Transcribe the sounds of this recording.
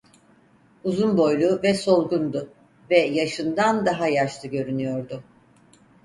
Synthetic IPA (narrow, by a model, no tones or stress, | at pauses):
uzunbo̞jlˠuvɛso̞lˠɡund̪ʊ | vɛjaʃɯnd̪and̪aɦajaʃlˠɯɟø̞ɾynyjo̞ɾd̪ʊ